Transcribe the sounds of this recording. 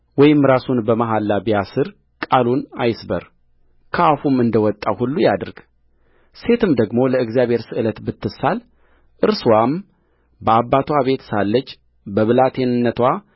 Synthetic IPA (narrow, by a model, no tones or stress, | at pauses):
wɔjɪmɾasunbəmaɦalːabijasɨɾ | kʼalunajɪsbəɾ | kʰəafumɨnd̪əwɔt̪ʼːawhulːujad̪ɨɾɡ̥ | se̞t̪ʰɨmd̪əɡmo̞ləɨɡzijaβʱhe̞ɾsɨʔɨlət̪bɨt̪ʰːɨsal | ʔɨɾswam | bəabːat̪ʰwaβe̞t̪salːət͡ʃː | bəβɨlat̪ʰe̞nɨnːət̪ʰwa